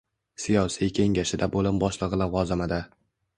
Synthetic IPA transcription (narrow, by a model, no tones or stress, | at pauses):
sijɒsijkʲʰe̞ŋɡʲaʃɪd̪abolɪmbɒʃlˠɨʁɨlaʁɒzamad̪a